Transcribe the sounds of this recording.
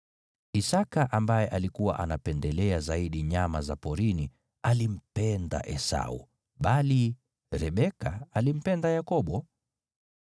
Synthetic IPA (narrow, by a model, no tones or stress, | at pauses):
isakaʔambajɛʔalikuwa̰ʔanapɛndɛlɛazaiɗiɲamazapɔɾini | alim̩pɛnda̰ʔɛsa̰ṵ | ɓali | ɾɛɓɛkaalim̩pɛndajakɔɓɔ